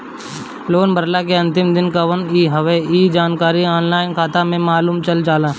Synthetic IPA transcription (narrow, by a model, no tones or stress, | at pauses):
loːnbəɾlakeɐ̃nt̪ɪmd̪ɪnkaʋəniːɦəʋeiːd͡ʒaːnkaːɾiɔːnlaːɪnkʰaːt̪amẽmaːluːmt͡ʃɐld͡ʒaːlãː